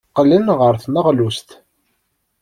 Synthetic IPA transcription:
qːlənʁəɾθməʁlust̪

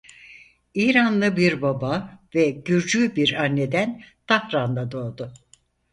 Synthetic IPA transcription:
iːɾanlˠɯbiɾbabavɛɟyɾd͡ʒybiɾanːed̪ænt̪ʰahɾand̪ˠad̪o̞ːd̪ʊ

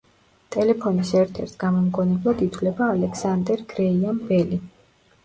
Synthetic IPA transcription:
t̪ʼɛlɛpʰɔnisɛɾt̪ʰɛ̰ɾt̪ʰɡ̥amɔmɡɔnɛblˠad̪it̪ʰwlɛbaːlɛksand̪ɛɾɡɾɛiambɛli

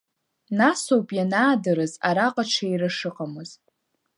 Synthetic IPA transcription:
nasowpʼjanaːdɨɾɨza̰ɾaqʼaʈ͡ʂʰairɨʂɨqʼamɨz̥

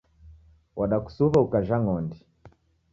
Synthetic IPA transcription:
wʔaɗaku̥suβaukaʒaŋɔndi

